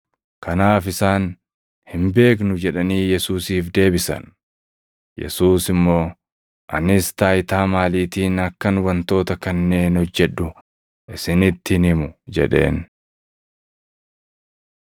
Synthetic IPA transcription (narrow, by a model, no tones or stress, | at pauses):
kɐnaːfɪsaːn | hɪmbe̞ːk̬nʊd͡ʒɛᶑɐniːjɛsuːsiːfd̪e̞ːbɪsɐ̰n | jɛ̰suːsɪmːo̞ː | ʔɐ̰nɪst̪aːjɪt̪aːmaːliːt̪iːnɐkːɐnwɐnt̪o̞ːt̪ɐkɐnːe̞ːnɔd͡ʒːɛᶑʊ | ʔɪsɪnɪt̪ːɪnɪmʊd͡ʒɛ̰ᶑe̞̰ːn